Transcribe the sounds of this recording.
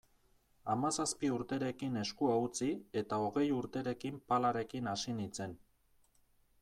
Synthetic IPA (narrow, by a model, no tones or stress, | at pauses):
amasaspiuɾt̪e̞ɾe̞kine̞skuaut͡sie̞t̪ao̞ɣe̞juɾt̪e̞ɾe̞kimpalaɾe̞kinasinit͡se̞n